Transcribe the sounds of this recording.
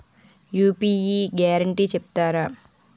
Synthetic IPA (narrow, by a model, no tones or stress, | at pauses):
juːpiːjiːɡaːɾɐɳʈiːt͡ʃep̚t̪aːɾa